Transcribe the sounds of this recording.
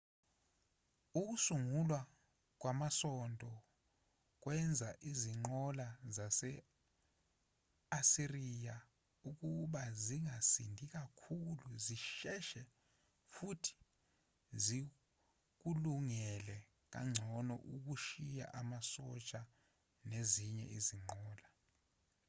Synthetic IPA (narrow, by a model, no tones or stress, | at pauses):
uk̬usuŋulwa | k̬wamasɔndʼʱɔ | k̬wɛnd͡zʱaʔiziŋ͡ǃɔlazasɛ | asirija | uk̬uɓaziŋʱasindʱik̬akʰuluziʃɛʃɛ | futʰi̥ | zi | k̬uluŋɛlɛ | k̬ʼa̰ŋ͡ǀʱɔnɔ̰ʔuk̬uʃija̰ʔamasɔt͡ʃʼa | neziɲɛ̰iziŋ͡ǃɔːla